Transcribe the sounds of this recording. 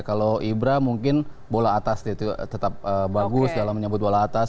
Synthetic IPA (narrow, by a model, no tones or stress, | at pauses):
kaloʔibɾamuŋkɪn | bolaːt̪asdat̪ut̪ət̪ap̚əbaɡʊsdalamːəɲəbʊt̪̚bolaːt̪as